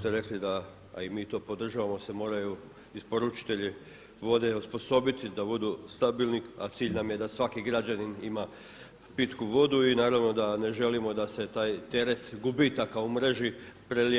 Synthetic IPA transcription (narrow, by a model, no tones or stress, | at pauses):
t̪eɾe̞klid̪a̰ː | imiːt̪o̞ːpo̞d̪r̩ʒaʋamo̞se̞mo̞ːɾaju | ispo̞ɾut͡ʃi̥t̪e̞ʎi | ʋo̞d̪e̞uspo̞so̞bit̪id̪abud̪ust̪abilnika̰t̪siːʎnamje̞d̪asʋakiɡɾad͡ʑaninima | pit̪kuʋo̞d̪uinaːɾaʋno̞d̪ane̞ʒe̞limo̞d̪ase̞t̪aːjt̪e̞ɾe̞t̪ɡubit̪akaumɾe̞ʒipɾel